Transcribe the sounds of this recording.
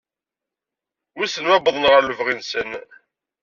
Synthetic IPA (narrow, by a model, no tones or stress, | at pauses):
ʊsənwæbəðˤənʁəɾluvʁinsən